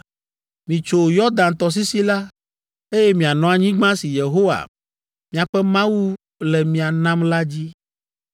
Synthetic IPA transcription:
mĩ˨t͡ʃo˨jɔ˦d̪ã˨nt̪ɔ˨s̬i˦si˦la˦ | e˦je˦mĩ˨a˨nɔ̃˨a˨ɲĩ˦ɡ͡bã˦si˨je˨ɦo˦wa̰˨ | mĩ˨a˨ɸɛ˦mã˦wu˦ | lɛ˨mĩ˨a˨nã˦mla˦d͡ʑi˦

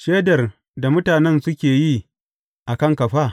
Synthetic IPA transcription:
ʃeː˦dɐ˨r | da˨mʊ˦taː˨nɛ˦nsʊ˦kʲeː˨ji˦ | ʔa˨kɐ˦ŋkɐ˨ɸaː˦

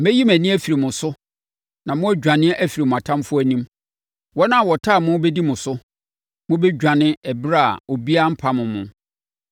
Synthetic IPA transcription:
mɛ˦ji˦mæ̃˨nĩ˦æ˦fi˨ɾi˨mʊ̃˨sʊ˦ | nã˨mʊ̃˦æ˦d͡ʑᶣã˨nɪ̃˦ʔæ˦fi˨ɾi˨mʊ̃˨a˨tʰã˦mfʊ˦æ˨nĩ˦m | wɔ˦nã˦˨wɔ˨tʰaː˦˨mʊ̃˦bɛ˦di˦mʊ̃˨sʊ˦ | mʊ̃˦bɛ˦d͡ʑᶣã˨nɪ̃˦ɛ˨bɾa̰˦˨o˨bi˦a˦m̩˦pʰa˨mʊ̃˨mʊ̰̃˨

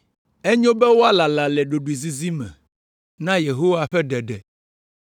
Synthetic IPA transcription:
ɛ˦ɲõ˦bɛ˦wo˦a˦la˨la˨lɛ˨ɖo˨ɖu˨i˨zi˦zi˦mɛ̰̃˨ | nã˦je˨ɦo˦wa˨ɸɛ˦ɖɛ˨ɖɛ˨

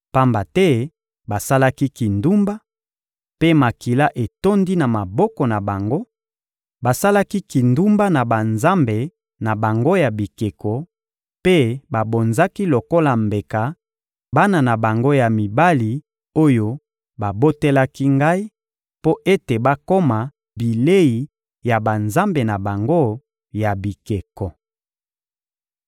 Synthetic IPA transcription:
pa˦mba˨tɛ˦ | ba˨sa˦la˦ki˦ki˨ndu˦mba˦ | pe˦ma˨ki˨la˦ʔe˨to˦ndi˦na˨ma˨bɔ˦kɔ˨na˨ba˨ŋɡo˦ | ba˨sa˦la˦ki˦ki˨ndu˦mba˦na˨ba˨nza˦mbe˨ | na˨ba˨ŋɡo˦ja˨bi˨ke˨kɔ˨ | pe˦ba˨bo˨nza˦ki˦lo˨ko˦la˨mbe˨ka˨ | ba˦na˨na˨ba˨ŋɡo˦ja˨mi˨ba˦li˨ | o˦jo˦ | ba˨bo˦te˦la˦ki˦ŋɡa˦i˦ | po˦ʔe˦te˨ba˦ko˦ma˨ | bi˨le˦i˨ | ja˨ba˨nza˦mbe˨na˨ba˨ŋɡo˦ | ja˨bi˨ke˨kɔ˨

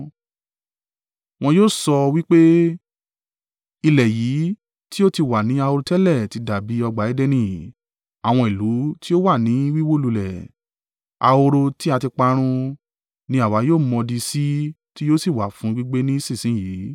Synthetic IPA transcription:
w̃ɔ̃˧joː˦˨sɔ˧wi˦k͡pe˦ | i˧lɛ˨jiː˨˦ | ti˦o˦ti˧wa˨nĩ˨˦a˧o˧ɾo˧tɛ˦lɛ˦˨ti˧˦da˨bi˨˦ɔ˧ɡ͡ba˨ɛ˨˦dɛ˦nĩ˦˨ | a˨w̃ɔ̃˧i˨lu˨˦ti˦o˦wa˦˨nĩ˨˦wi˦wo˦lu˧lɛ˨ | a̰˧o˧ɾo˧ti˦a˧ti˧k͡pa˧ɾ̃ũ˧ | nĩ˧˦a˦˨wa˨˦joː˦˨mɔ̃˧di˧si˦ | ti˦joː˦si˦˨wa˨fũ˨˦ɡ͡bi˦ɡ͡be˦nĩ˦i˦sĩ˦˨sĩ˦jiː˨˦

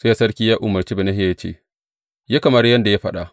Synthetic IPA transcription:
se˦ja˦sɐ˦ɽkʲiː˦jaː˦ʔʊ˨mːɐ˨rt͡ʃiː˦be˨na˦hɪ˦ja˨ja˦t͡ʃḛ˦˨ | ja˦kɐ˨mɐ˦rjɐ˦nda˨ja˦ɸɐ˦ɗa˨ʔ

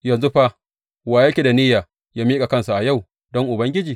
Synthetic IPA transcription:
jɐ˨nzu˦ɸa˦ | waː˨jɐ˦kʲe˨da˨niː˦jaː˨ | jaː˦miː˦kʼa˨kɐ˦nsa˨ʔa˨ja˦˨w | dɔ˦ŋʔʊ˨bɐ˦ŋɡʲɪ˦d͡ʒiː˨

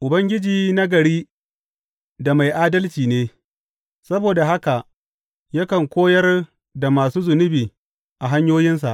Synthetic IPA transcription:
ʔʊ˨bɐ˦ŋɡʲɪ˦d͡ʒiː˨na˦ɡɐ˨ɽiː˦ | da˨ma˨jʔaː˦dɐ˦lt͡ʃiː˨neː˦ | sɐ˦boː˨da˨ɦa˦ka˨ʔ | jɐ˦kɐ˨ŋkʷoː˦jɐ˦r | da˨maː˨suː˦zʊ˨nʊ˦biː˨ | ʔa˨ɦa˦ɲjoː˦jɪ˦ns̬a̰˨ʔ

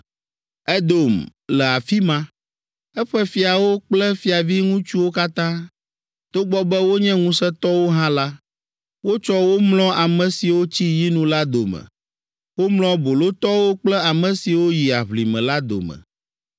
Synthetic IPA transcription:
ɛ˦d̪o˨mlɛ˨a˨fi˦mã˦ | ɛ˦ɸɛ˦fi˨a˨wo˦k͡plɛ˦fi˨a˨vi˦ŋũ˦t͡ʃu˦wo˦ka˦t̪ã˦ | t̪o˦ɡ͡bɔ˦bɛ˦wo˦ɲɛ̃˦ŋũ˦sɛ˦t̪ɔ˦wo˦ɦã˦la˦ | wo˦t͡ʃɔ˦wo˦mlɔ̃˦ʔa˨mɛ̃˨si˨wo˦t͡ɕi˦ji˦nũ˦la˦d̪o̰˨mɛ̰̃˨ | wo˦mlɔ̃˦bo˨lo˦t̪ɔ˦wo˦k͡plɛ˦a˨mɛ̃˨si˨wo˦ji˨a˨βli˨mɛ̰̃˨la˦d̪o̰˨mɛ̰̃˨

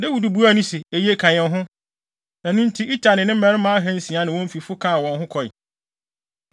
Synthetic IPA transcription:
dɪ˦wu˨du˨bu˦a˦nʊ̃˦si˨e˨je˦kʰã˨ɲɛ̃˨nɦʊ̃˦ | æ˨nũ˦n̩˦tʰi˦ʔi˦tʰa˨nɪ̃˨nɪ̃˦m̩˦mɛ̃˦ɾɪ˦mã˦a˦ɦɛ̃˦n˦sĩ˨a˦nɪ̃˨wɔ̃˦m̩˦fi˨fʊ˦kʰã˦˨wɔ̃˨nɦʊ̃˦kʰɔ˨ḭ˨

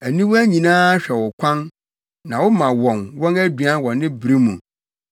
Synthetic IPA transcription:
æ˨nĩ˦wæ˦ɲĩ˨nãː˦ɕᶣɛ˨wʊ˨kʷʰã˦n | nã˨wʊ˦mã˨wɔ̃˨nwɔ̃˦næ˦dɥa˦wɔ̃˨nɪ̃˦bɾi˦mṵ̃˨

